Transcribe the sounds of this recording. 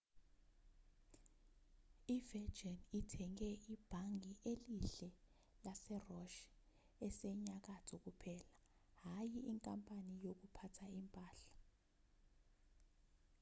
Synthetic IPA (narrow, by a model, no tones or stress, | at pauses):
ivɛ̥d͡ʒɛnitʰɛŋkɛʔib̥ʱaŋʱiʔeliɬɛ | lasɛrɔʃ | ɛsɛɲak̬atʰɔk̬upʰɛːlaɦajiiŋkʼampʼanijok̬upʰatʰaimpʼaːɬḁ